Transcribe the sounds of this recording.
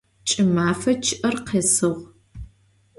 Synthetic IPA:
t͡ʃʼɪmaːfɐt͡ʃʰɪʔɐrqeːsɨʁʷ

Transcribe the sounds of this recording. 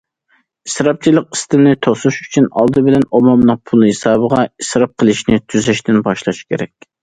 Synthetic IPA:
isɾɑp̚t͡ʃʰilˠəq̚i̥st̪ɪnɪt̪ʰosuʃy̥t͡ʃʰynɑ̰lˠd̪ɨbɪlɛnomɑmnɨq̚pʰulˠhesɑːbəʁɑisɾɑp̚qʰəlˠɪʃnɪt̪ʰyzɛʃt̪ɪnbɑʃlˠɑʃkʲʰeɾɛkʲ

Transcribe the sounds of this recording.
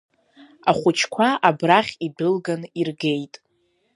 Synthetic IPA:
aχʷʊt͡ʃʰkʷʰaabraχʲidɨlɡanirɡe̞jtʼ

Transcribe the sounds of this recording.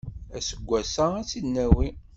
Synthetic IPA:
æ̰səɡʷːæsææt͡sːinːæwi

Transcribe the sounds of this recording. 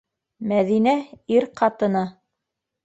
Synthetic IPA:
mæðinæiɾqʰɑt̪ɤ̆nɑ

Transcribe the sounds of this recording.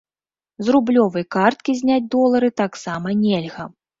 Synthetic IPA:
zrublʲɔvɐjkart̪̚kʲizʲnʲad͡zʲd̪ɔlˠɐɾɨt̪aksamɐnʲelʲɣɐ

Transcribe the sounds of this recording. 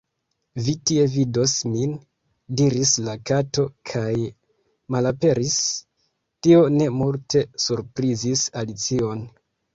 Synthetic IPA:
vitie̞vido̞smin | diɾislakato̞kʰaj | malape̞ɾis | tio̞ne̞multe̞suɾpɾizisalit͡sio̞n

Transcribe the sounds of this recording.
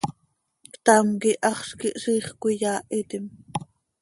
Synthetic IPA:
kt̪ɑmkiʔɑχʃkiʔʂiːχkʷijɑːʔit̪im

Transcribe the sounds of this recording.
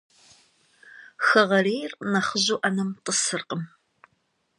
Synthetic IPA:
xɐʁɐreːjrnɐχəʑuːʔɐnɨmtʼəsɨrqəm

